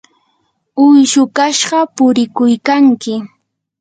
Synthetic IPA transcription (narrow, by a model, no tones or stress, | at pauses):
ʊjʃʊkaʃɢɑpʊɾɪkʊjkaŋkɪ